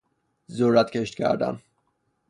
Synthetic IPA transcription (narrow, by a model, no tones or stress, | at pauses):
zoɾæt̪kʲʰeʃt̪kʲʰæ̰ɾd̪æ̰m